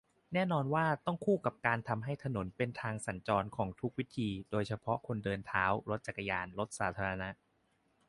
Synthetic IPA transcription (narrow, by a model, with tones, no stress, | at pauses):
nɛː˥˩nɔː˧nwaː˥˩t̪ɔ˥˩ŋkʰuː˥˩ka˨˩p̚kaː˧nt̪ʰa˧mɦa˥˩jt̪ʰa˧no˩˦npe˧nt̪ʰaː˧ŋsa˩˦nt͡ɕɔː˧nkʰɔː˩˦ŋt̪ʰu˦˥k̚wi˦˥t̪ʰiː˧doː˧jt͡ɕʰa˧pʰɔ˦˥kʰo˧ndɤː˧nt̪ʰaː˦˥wɾo˦˥t̪̚t͡ɕa˨˩kːa˧jaː˧nɾo˦˥t̪̚saː˩˦t̪ʰaː˧ɾa˧na˦˥ʔ